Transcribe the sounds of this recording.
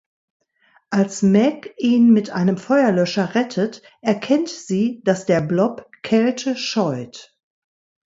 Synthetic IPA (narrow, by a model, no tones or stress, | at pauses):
ʔalsmɛkiːnmɪtʔaɪnəmfɔʏɐlœʃɐʁɛtʰət | ʔɛɐkʰɛntz̥iːd̥asd̥eːɐblɔpkʰɛltʰəʃɔʏt